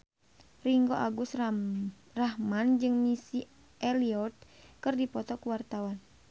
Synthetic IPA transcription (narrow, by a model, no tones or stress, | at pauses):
riŋɡoʔaɡus | rahmand͡ʒɨŋmisi | ʔɛliɔt̪̚kɨrdipɔt̪ɔkuwart̪awan